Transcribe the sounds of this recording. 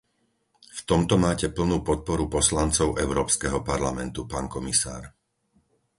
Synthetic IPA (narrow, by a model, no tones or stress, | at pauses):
ft̪ɔmt̪ɔmaːcɛpl̩nuːpɔt̪̚pɔɾupɔslant͡sɔʊʔɛʊɾɔːpskɛɦɔpaɾlamɛnt̪upaːnkɔmisa̰ːɾ